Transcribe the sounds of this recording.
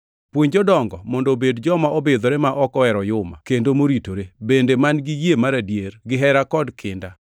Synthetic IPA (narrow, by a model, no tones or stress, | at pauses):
pwoɲd͡ʒɔdɔŋɡɔmɔndobedd͡ʒɔmaʔɔbɪd̪ɔɾemaʔɔkɔɛɾɔjʊma̰kendomoɾitoɾebendemanɡɪjjemaɾadjerɡɪɦɛɾakɔdkʰɪnda